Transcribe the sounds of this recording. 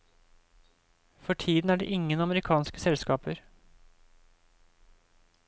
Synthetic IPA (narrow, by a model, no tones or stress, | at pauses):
fɔʈʰiːd̪n̩æːɖḛːʔɪŋːənɑməɾɪkʰɑːnskəsɛlskɑːpəɾ